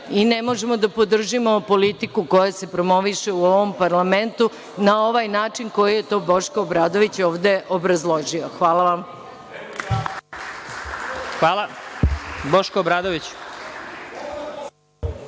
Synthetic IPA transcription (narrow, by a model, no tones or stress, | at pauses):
ine̞mo̞ʒemo̞d̪apo̞d̪r̩ʒimopo̞lit̪ikuko̞jase̞pɾo̞mo̞ʋiʃeuoʋompaɾlame̞nt̪u | nao̞ʋajnaːt͡ʃinko̞jije̞t̪o̞ːbo̞ʃkoobɾaːd̪o̞ʋit͡ɕo̞ːʋd̪e̞ʔobɾazlˠo̞ʒioxʋaːlˠaʋam | xʋaːlˠa | boʃkobɾaːd̪oʋit͡ɕ